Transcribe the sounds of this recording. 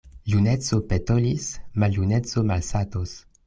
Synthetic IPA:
junet͡sopetolismaljunet͡somalsatos

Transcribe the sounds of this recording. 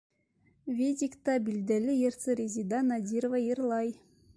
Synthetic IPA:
vʲed̪ʲikt̪ɑbild̪ælɪjeɾt̪sɨɾʲezʲid̪ɑnad̪ʲiɾovajiɾlˠɑj

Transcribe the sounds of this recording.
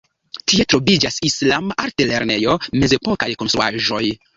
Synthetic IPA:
tie̞tɾo̞vid͡ʒasislamaaɾtele̞ɾne̞jo̞me̞ze̞po̞ka̰jko̞nstɾua̰ʒo̞j

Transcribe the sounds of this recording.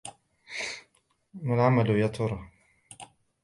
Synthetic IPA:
manʕamalʊjaɑt̪ˤʰʊɾˤɑ

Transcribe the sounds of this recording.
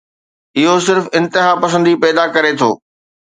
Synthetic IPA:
ɪɦosɪɾfɪ̃nt̪ɪɦapɐs̬ə̃nd̪ipɛːd̪akɐɾet̪ʰo̰ː

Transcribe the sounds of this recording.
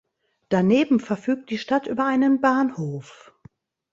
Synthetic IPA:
d̥aneːbm̩fɛɐfyːk̚t̚d̥iːʃtatʔyːbɐʔaɪnənbaːnhoːf

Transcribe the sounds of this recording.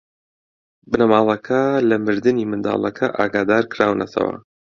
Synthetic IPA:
bɨnɐmaːlˠɐkʰɐlɐmɨɾd̪ɨniːmɨnd̪a̰ːlˠɐkʰɐʔaːɡaːd̪aːɾkɾaːwnɐt̪ʰɐ̰wɐ̰

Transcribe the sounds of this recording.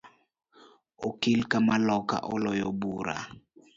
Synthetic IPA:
okilkamalɔka̰ʔɔlɔjoɓuːɾa̰

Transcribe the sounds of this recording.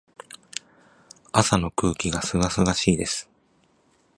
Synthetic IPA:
asano̞kɯ̟ːkʲiɡasɨɡasɨɡaɕiːd̪e̞sɨ̥

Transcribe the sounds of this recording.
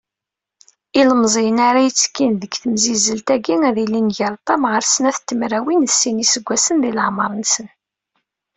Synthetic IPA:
iləmzˤijənaɾajət͡sːkːinðəɡθəmzizəlt̪æɡiŋæðilinʝəɾˤt̪ˤːɑmʁəɾsənæθt̪ːəmɾæwinðsinisəɡʷːæsənðiləʕməɾˤnsən

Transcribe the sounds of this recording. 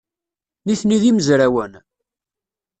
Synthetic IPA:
niθniðiməzɾæwən

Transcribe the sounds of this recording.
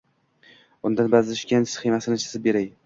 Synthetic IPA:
ʊnd̪anbazlɪʃkʲansɪ̥χimasɪnɪt͡ʃʰɪ̥sɪbeɾaj

